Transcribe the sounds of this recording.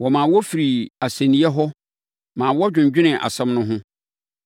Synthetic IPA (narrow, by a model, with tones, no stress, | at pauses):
wɔ˨mãː˨wɔ˦fi˨ɾi˨a˨sæ̃˨nĩ˦ɛ˦ɦɔ˦ | mãː˨wɔ˦d͡ʑᶣʊ̃˨ɲd͡ʑᶣɪ˦nɪ̃˨ʔa̰˨sɛ̃˦mnʊ̃˦ɦʊ̃˦